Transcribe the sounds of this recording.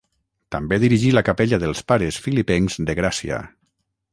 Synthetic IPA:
t̪ambeðiɾiʒiləkapeʎaðəlˠspaɾəsfilipɛŋzd̪əɣɾasiə̰

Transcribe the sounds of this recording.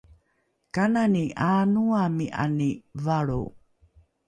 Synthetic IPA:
kananiʔaːnuamiʔa̰nivaɭṵ

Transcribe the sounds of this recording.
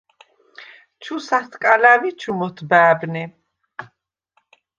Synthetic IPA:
t͡ʃʰusat̪ʰkʼalavit͡ʃʰumɔt̪ʰbæːbnɛ

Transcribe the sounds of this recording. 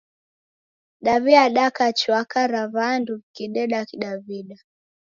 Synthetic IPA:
ɗaviaɗakat͡ʃwakaɾavanduvkiɗɛɗakiɗaviɗa

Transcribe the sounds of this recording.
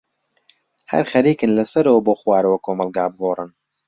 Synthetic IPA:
hɐ̰ɾχɐɾiːkɨnlɐsɐɾɐwɐboːxwaːɾɐwɐkʰoːmɐlˠɡaːbɨɡorˤɨn

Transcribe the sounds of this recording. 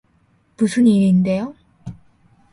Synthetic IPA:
musʰɯniɾinde̞jo

